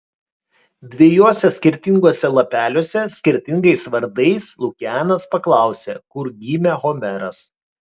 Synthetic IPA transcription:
d̪ʲʋʲejoːsʲɛsʲkʲɪɾʲt̪ʲɪŋɡoːsʲɛlˠɐpʲæːlʲoːsʲɛsʲkʲɪɾʲt̪ʲɪŋɡɐɪsʋɐɾd̪ɐɪslˠʊkʲæːnɐspɐklˠɑˑʊsʲekʊɾɡʲiːmʲɛɣɔmʲɛɾɐs

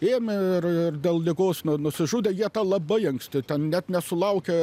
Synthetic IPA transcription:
eːmʲɪɪrɪrd̪ʲeːlˠlʲɪɡoːsnʊnʊsʲɪʒuːdʲeːjiɛt̪ɑːlˠɐbɐɪɐŋksʲt̪ʲɪt̪ʲɛnnʲɛt̪nʲɛsʊlˠɐʊkʲɛ

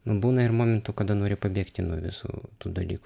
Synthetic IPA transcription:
nʊbuːnɐɪrmoːmʲɛnt̪ʊkɐd̪ɐnoːɾʲɪpɐbʲeːkt̪ʲɪnuɔʋʲɪ̰sṵːt̪uːd̪ɐlʲḭːkʊ

